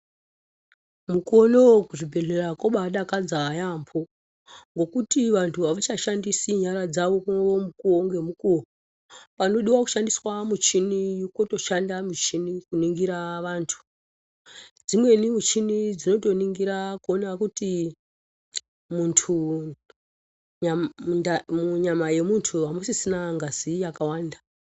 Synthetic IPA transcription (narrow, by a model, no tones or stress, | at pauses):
muko̞no̞kuʐibʱe̞ɮe̞rakoɓaɗakad͡zajambʰo̞ | ŋɡo̞kutiʋantʰuʋaʋat͡ʃaʃandisiɲaɾad͡zaʋo̞kuoomukuoŋɡe̞mukuo | pano̞ɗiwaku̥ʃandiswamut͡ʃinijuko̞to̞ʃandamut͡ʃinikuniŋɡiɾaʋaːntʰu̥ | d͡zimwe̞nimut͡ʃinid͡zino̞to̞niŋɡiɾakuonakuti | muntʰu | anamuɲamaje̞muntʰuamosisinaŋɡazijakawaːnda